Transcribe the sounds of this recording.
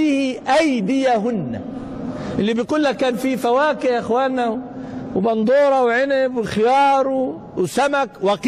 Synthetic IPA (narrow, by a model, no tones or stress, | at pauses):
iːhʔajd̪ɪjaɦʊnːa̰ | ʔɪlːibijɡuːlːakːaːnfifawaːkɪhʔɪxwaːnːawwbɑnd̪ˤuːɾˤɑwʕɪnɪbwɪxɪjɑːɾˤu | wsamakwɑq